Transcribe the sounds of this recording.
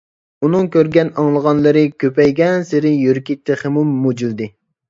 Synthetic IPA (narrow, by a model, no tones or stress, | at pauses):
unɨŋkʲʰøɾɡʲɛnɑŋlˠəʁɑnlˠɨɾɨkʲʰøpɛjɡʲɛnsɪɾɪjøɾkʲit̪ʰːɪχemumːud͡ʒild̪ɨ